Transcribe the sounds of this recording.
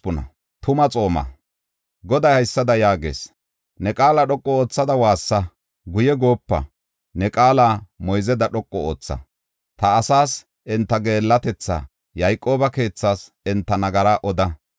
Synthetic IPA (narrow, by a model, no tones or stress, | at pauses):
ʊnɐ̰ | t̪ʊmɐt͡sʼo̞ːmɐ̰ | ɡɔd̪ɐjhɐjsːɐd̪ɐjaːɡḛːs | nɛkʼaːlaɗɔkʼːɔoːt͡sːɐd̪ɐwaːsːɐ | ɡʊjɛɡo̞ːpːɐ̰ | nɛkʼaːlaːmɔjzɛd̪ɐɗɔkʼːɔo̰ːt͡sːɐ̰ | t̪ɐːsaːs | ʔɪnt̪ːɐɡe̞ːlːɐt̪ɛt͡sːa̰ | jɐjkʼːo̞ːbɐke̞ːt͡sːaːs | ɛnt̪ːɐnɐɡɐɾaːʔɔd̪ɐ